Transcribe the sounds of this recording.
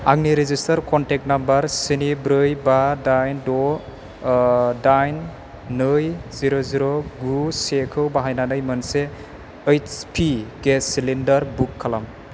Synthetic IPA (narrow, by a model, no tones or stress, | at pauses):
a̰ŋniɾezistɐɾkɔntek̚tnambɐɾsinibɾɯjbadajndɔ | dajnː | ɯjziɾoziɾoɡusekʰɯwbaɦajnanɯjmɯnse | ejt͡ʃpʰiɡesilindɐɾbukʰːalam